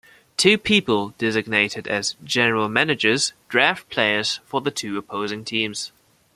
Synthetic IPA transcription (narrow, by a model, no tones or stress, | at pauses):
tʰʉːpʰiˑpəlˠd̥ɪzɪɡ̚neɪtɪdəzd͡ʒɛnəɹəlˠmænɪd͡ʒəz̥d̥ɹɑˑftpʰl̥eɪəz̥fəðətʰʉːəpʰoʊzɪ̃ŋtʰĩːmz̥